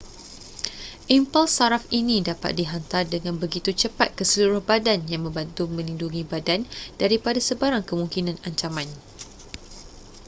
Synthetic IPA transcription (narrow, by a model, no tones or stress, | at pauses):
ʔimpalsaɾafinĩdapa̰t̪̚diɦant̪ardəŋãnbəɡit̪ut͡ʃəpat̪̚kəsəluɾʊhbadanjaŋmə̃mbant̪umə̃linduŋĩbadand̥aɾipadasəbaɾaŋkəmũŋkinãnaɲt͡ʃamãn